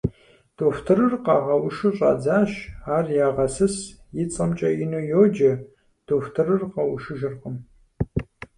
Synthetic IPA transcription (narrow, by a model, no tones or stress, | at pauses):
d̥oːftʰɨɾɨrqɑːʁɐwʊʃɨɕʼɑ̰ːd͡zaːɕaːrjaːʁɐsɨsjɪt͡sʼɐmt͡ʃʼɐjɪnuːjoːd͡ʒɐ | d̥oːftʰɨrɨrqɐwʊʃɨʒɪrqəm